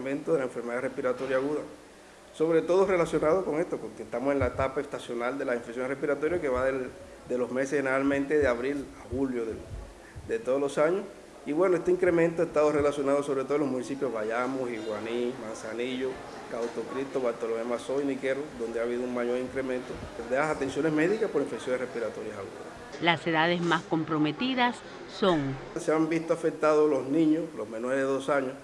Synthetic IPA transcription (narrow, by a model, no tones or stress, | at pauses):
mẽnt̪oðelaẽɱfe̞ɾme̞ðarespiɾat̪o̞ɾjaɣuða | so̞βɾe̞t̪o̞ðore̞lasjo̞naðoko̞ŋe̞st̪okoeht̪amoseŋlaet̪apaest̪asjo̞nald̪e̞laiɱfeksjo̞ŋrepiɾat̪o̞ɾjake̞βaðe | d̪e̞lozme̞seheneɾalmẽnt̪eðeaβɾilahuljo̞ðe | d̪et̪oðolo̞saɲos | iβwe̞noest̪eiŋkɾe̞mẽnt̪oest̪aðore̞lasjo̞naðosoβɾet̪olosmũnisipjoɦβaʝamosiɣwanimãnsaniʝo | kawt̪okɾist̪oβaɾt̪olomemasoinikeɾoðond̪eaβiðouŋmaʝoɾiŋkɾemẽnt̪opeðeasat̪e̞nsjonesme̞ðikaspoɾiɱfeksjonerehpiɾat̪oɾjasaɣuɾa̰ | laseðaðesmasko̞mpɾomet̪iðasː | oŋ | seambist̪oafek̚t̪aðolosnĩɲoslosmenoɾeðeðosaɲos